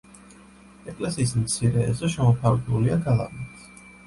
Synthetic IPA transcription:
ɛkʼlɛsiːs̬mt̪sʰiɾɛ̰ːzɛʃɛmɔpʰaɾɡɛuliaɡalˠa̰vnit

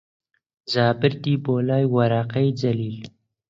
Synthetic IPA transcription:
zɑːbɪɾd̪ibolɑːjwaɾɑːqajd͡zaliːl

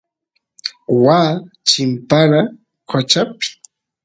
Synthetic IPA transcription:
waː | t͡ʃɪmpaɾa | kʰot͡ʃapɪ̥

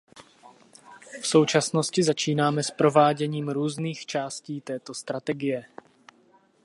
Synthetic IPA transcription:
fso̞wt͡ʃasno̞scɪzat͡ʃiːnaːmɛspɾo̞vaːɟɛɲiːmɾuːzniːxt͡ʃaːsciːt̪ɛːt̪o̞st̪ɾat̪ɛɡɪjɛ

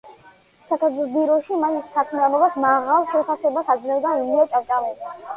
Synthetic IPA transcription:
sakʰɛt̪ʰlˠɔsbiɾɔʃimaʃisːakʰmianɔbasmaʁalˠʃɛpʰasɛbasad̪zlɛvd̪auliɔt̪sʼaɾd̪ʼamɔa

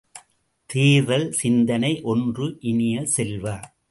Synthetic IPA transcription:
t̪iːðɐlsɪnd̪ɐnɐɪʔɔndrɯʔɪnɪjɐsɛlʋɐ

